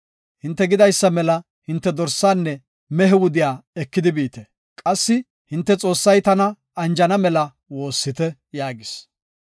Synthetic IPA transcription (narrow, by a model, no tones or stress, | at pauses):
hɪnt̪ːɛɡɪd̪ɐjsːɐmɛlɐ | hɪnt̪ːɛd̪ɔɾsːaːnːɛ | mɛɦɛwʊd̪ɪjaːɛkːɪd̪ɪbiːt̪ɛ | kʼɐsːɪ | hɪnt̪ːɛt͡sʼo̞ːsːɐjt̪ɐnɐ | ɐnd͡ʒɐnɐmɛlɐ | wo̞ːsːɪt̪ɛ | jaːɡɪs